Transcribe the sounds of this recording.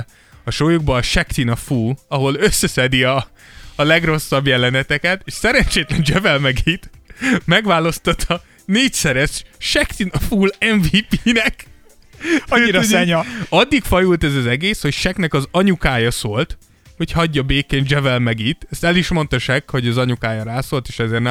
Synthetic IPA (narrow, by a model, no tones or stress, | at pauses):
ɒʃojuɡ̚bɒːʃɛkt̪inɒfuːlɒɦo̞løsːɛsɛd̪iɒː | lɛɡro̞sːɒbjɛlɛnɛt̪ɛkɛt̪eːʃsɛɾɛɲt͡ʃeːt̪lɛnd͡ʒɛvɛlmɛɡit̪mɛɡʋaːlo̞st̪ɒt̪ʰɒ | neːcsɛɾɛʃʃɛkt̪inɒfuːlɛɱviːpiːnɛk | iɾɛɲɒd̪ːikfɒjult̪ɛzɒzɛɡeːsho̞cʃɛknɛkɒzɒɲukaːjɒsoːlt̪ | ho̞chɒɟːɒbeːkeːnd͡ʒɛvɛlmɛɡiːt̪ɛst̪ɛliʃmo̞nt̪ɒʃɛkho̞ɟɒzɒɲukaːjɒɾaːsoːlt̪eːʃɛzeːrnɛ